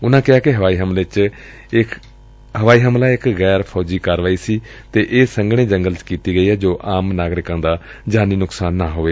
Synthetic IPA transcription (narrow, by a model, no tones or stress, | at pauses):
ʊnãːkɪɦaːkɪɦəʋaːiːɦəmlet͡ʃ | ɪ | ɦəʋaːiːɦəmlaːɪkɣɛːɾpʰɔːd͡ʒiːkaːɾʋaːiːsiː | t̪eːʔeːsəŋɡɽ̃ẽːd͡ʒəŋɡəlt͡ʃkiːt̪iːɡəiːɦɛːd͡ʒoːʔaːmnaːɡɾɪkãːd̪aː | d͡ʒaːniːnʊksaːnːaːɦoːʋeː